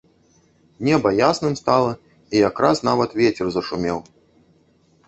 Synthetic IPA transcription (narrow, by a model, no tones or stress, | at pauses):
nʲɛbɐjasnɨmst̪alˠɐ | ijakɾasn̪avɐt̪vʲɛt͡sʲɛrzɐʂumʲɛw